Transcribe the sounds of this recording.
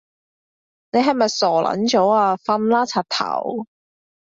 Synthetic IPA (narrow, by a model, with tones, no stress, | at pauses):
ne˨˧ɦɐ˨jmɐ˨jsɔː˨˩lʔɐ̰˨˧˥nt͡ʃo˨˥waː˧fɐ˧nlaː˥t͡sʰaː˨˩t̚t̪ʰɐ̰˨˩w